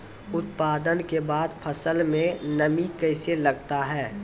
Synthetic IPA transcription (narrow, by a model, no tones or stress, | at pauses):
ʊt̪paːd̪ənkebaːd̪pʰɐsəlmẽnɐmikɐɪselɐɡt̪aɦɛː